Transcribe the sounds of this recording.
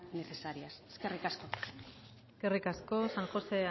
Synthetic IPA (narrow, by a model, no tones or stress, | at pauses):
ne̞θe̞saɾiaseske̞rikasko̞ | eske̞rikasko̞saŋxo̞se̞a